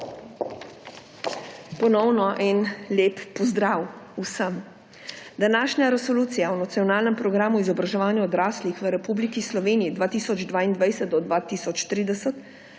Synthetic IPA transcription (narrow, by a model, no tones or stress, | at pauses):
pɔnɔwnɔʔɛnleːppɔzd̪ɾawusəm | d̪anaːʃɲaɾɛsɔluːt̪sijaɔnat̪siɔnaːlnɛmpɾɔɡɾaːmuizɔbɾaʒɛʋaːnjaɔd̪ɾaːslixʋəɾɛpuːblikislɔʋeːnijid̪ʋaːt̪iːsɔd͡ʒd̪ʋaːind̪ʋajsət̪̚d̪ɔd̪ʋaːt̪iːsɔt͡ʃt̪ɾiːd̪ɛsət̪